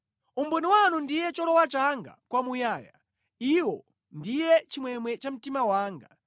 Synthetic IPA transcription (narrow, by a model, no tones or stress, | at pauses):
umbɛniwanundijɛt͡ʃɔlɔwat͡ʃaŋɡa̰kwamujaːja̰ | iwɔ | ndijɛt͡ʃimwɛmwɛt͡ʃam̩timawaːŋɡa